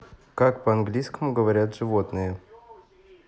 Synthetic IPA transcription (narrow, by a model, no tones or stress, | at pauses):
kakpəɐnɡlʲijskəmʊɡəvɐɾʲat̪ʐɨvot̪nɨjə